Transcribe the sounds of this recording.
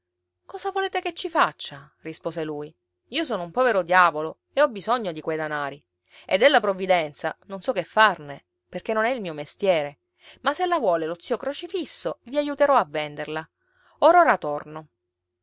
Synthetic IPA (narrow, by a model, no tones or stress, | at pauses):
kɔːzavoleːt̪eket͡ʃːifat͡ʃːa | rispoːzeluːj | iːos̬oːnoumpɔveɾod̪jaːvolo | eɔbːizoɲːod̪ikwejd̪anaːɾi | ḛd̪elːapɾovid̪ɛnt̪sanonsɔkːefːarne | perk̟enːonɛilmiːomest̪jɛːɾe | maselːavwɔːlelot̪sːiːokɾot͡ʃifisːoviajut̪eɾɔavːend̪erla | oːɾoɾat̪orno